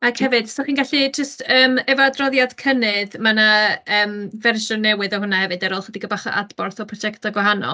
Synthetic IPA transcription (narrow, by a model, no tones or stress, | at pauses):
akhɛvɨd̥sɔχiːnɡaɬid͡ʒəstəːmɛvadrɔðjad̥kʰənɨðmanaəːmvɛrʃɔnɛwɨðɔhʊnahɛvɨdɛɾoːlˠχədiɡəbaχa̰ʔa̰dbɔrθɔpʰrɔd͡ʒɛktʰɔɡwaɦanɔ̰lˠ